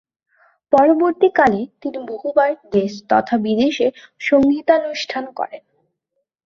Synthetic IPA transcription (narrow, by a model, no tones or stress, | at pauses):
pɔɾoboɾt̪ikalet̪iniboɦubaɾɡest̪ɔ̰t̪ʰabid̪eʃeʃoŋɡit̪anuʃʈʰankɔ̰ɾen